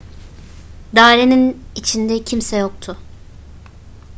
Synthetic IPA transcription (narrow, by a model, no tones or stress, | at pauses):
d̪aːɾeninit͡ʃʰind̪ɛcʰimsɛjo̞k̚t̪ʰʊ